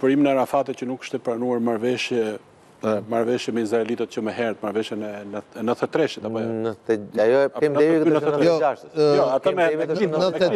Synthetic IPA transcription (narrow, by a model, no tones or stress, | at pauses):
pɔɾiminɛɾafat̪ɛt̪̚cənukːə̥ʃt̪ɛpɾanuaɾmaɾvɛʃjɛ | maɾvɛʃjɛmɛizɾaɛlit̪ɛt̪̚t͡ʃəmɛɦɛɾət̪̚maɾvɛʃjɛnɛɛnəθɛt̪ɾɛʃɛt̪apɔnəɛajɔɛpkɛd̪ɛkəjɔaʃt̪jɔat̪amɛinnəɛ